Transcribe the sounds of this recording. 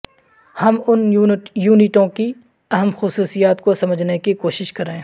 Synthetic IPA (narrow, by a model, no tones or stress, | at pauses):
hɐmʊnːjuːnɪʈõki | ɐɦəmxʊsuːsijaːt̪kosɐməd͡ʒʱnekikoːʃɪʃkɐɾẽː